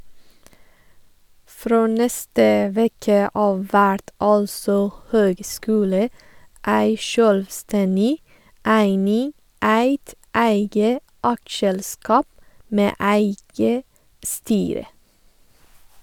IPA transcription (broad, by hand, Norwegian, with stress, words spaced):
ˈfɾoː ˈnɛstə ˈʋɛkə ˈɑːʋ ˈʋæɽt ˈɑlsɔ ˈhøːɡˌskʉːlə ˈæɪ ˈʃøːlʋˌstɛnɪ ˈæɪnɪŋ ˈæɪt ˈæɪɡə ˈʔɑkˌʃɛlˌskɑːp ˈmeː ˈʔæɪɡə ˈstyːɾə